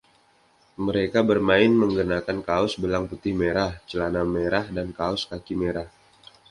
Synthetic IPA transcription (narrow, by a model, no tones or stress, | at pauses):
məɾekabərmaɪnməŋɡənakankaʊsbəlaŋput̪ɪhmeɾaht͡ʃəlanameɾahdankaʊskakimeɾah